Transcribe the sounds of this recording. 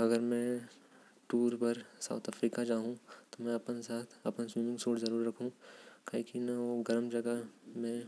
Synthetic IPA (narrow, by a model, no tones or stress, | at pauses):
ɐɡəɾmɛ̃ | ʈuːɾpɐɾsa̰ʊt̪ʰəfɾiːkad͡ʒaːɦũt̪omɛ̃ɐpnsaːt̪ʰɐpənsʋiːmɪ̃ŋɡsoːʈzɐɾuːɾːɐkʰũkʰakinaoɡɐɾəmd͡ʒɐɡəmẽ